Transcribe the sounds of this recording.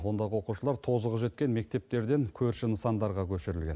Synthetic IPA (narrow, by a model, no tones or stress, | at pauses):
wo̞nd̪ɑʁəwo̞quʃəlˠɑɾt̪ʰo̞zəʁəʒe̞t̪̚kʲe̞nme̞k̚t̪e̞p̚t̪e̞ɾd̪e̞ŋkʲʰɵɾʃɪnəsɑnd̪ɑɾʁɑkʲʰɵʃɪɾɪlɡʲe̞n